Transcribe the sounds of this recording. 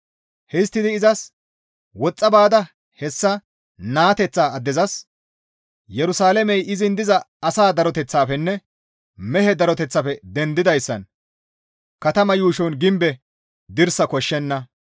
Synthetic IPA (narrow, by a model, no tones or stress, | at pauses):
hɛst̪ːɪd̪ɪːzɐs | wɔt͡sʼːɐbaːd̪ɐ | hɛsːɐ | naːt̪ɛt͡sːaːɐd̪ːɛzɐs | jɛɾʊsaːlɛmɛjɪzɪnd̪ɪzɐ | ɐsaːd̪ɐɾɔt̪ɛt͡sːaːfɛnːɛ | mɛɦɛd̪ɐɾɔt̪ɛt͡sːɐfɛd̪ɛnd̪ɪd̪ɐjsːɐ̰n | kɐt̪ɐmɐjuːʃɔnɡɪmbɛ | d̪ɪɾsɐkɔʃːɛnːɐ